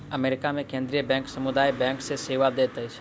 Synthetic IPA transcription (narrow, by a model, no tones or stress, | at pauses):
əmeɾɪkamẽkẽnd̪ɾijəbɛ̃ŋksəmud̪ajbɛ̃ŋkseseʋad̪et̪əjt͡ʃʰe̥